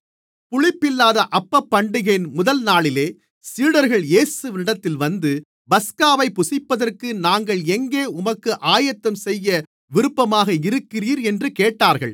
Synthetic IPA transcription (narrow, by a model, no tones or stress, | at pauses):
pʊɻɪpːɪlːaːðɐʔɐpːɐpːɐɳɖɪɣɐɪnmʊðɐlnaːɭɪleː | siːɽɐɾɣɐɭjeːsɯʋnɪɽɐt̪ːɪlʋɐnd̪ɯ | bɐskaːʋɐɪpːʊsɪpːɐðɐrkɯnaːŋɡɐɭɛŋɡeːʊmɐkːɯʔaːjɐt̪ːɐmsɛjːɐ | ʋɪɾɯpːɐmaːɣɐɪɾɯkːɪriːɾɛndrɯkeːʈːaːɾɣɐɭ